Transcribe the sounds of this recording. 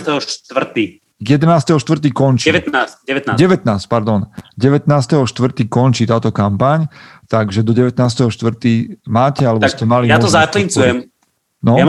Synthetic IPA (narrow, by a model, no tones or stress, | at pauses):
t̪ɛɦɔʃt̪ʋr̩t̪i | jɛd̪ɛnaːst̪ɛɦɔʃt̪ʋr̩t̪̬iːkɔnt͡ʃiɛɛt̪naːsɛʋɛt̪naːɟɛʋɛt̪naːsc̚paɾd̪ɔnɟɛʋɛt̪naːst̪ɛɦɔʃt̪ʋr̩t̪iːkɔnt͡ʃiːt̪aːt̪ɔkampaɲt̪aɡʒɛd̪ɔɟɛʋɛt̪naːst̪ɛɦɔʃt̪ʋr̩t̪iːmaːcɛalɛb̪ascɛmalijat̪ɔzaklint͡sujɛm | nɔja